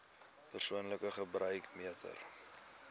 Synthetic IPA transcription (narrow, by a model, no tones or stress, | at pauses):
pərsuənləkəχəbrœɥkmiətʰə̰r